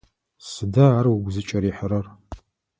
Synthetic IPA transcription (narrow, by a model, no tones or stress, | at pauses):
sɨdɐaːrwʊɡʷzɨt͡ʃʼɐɾiːħəɾɐr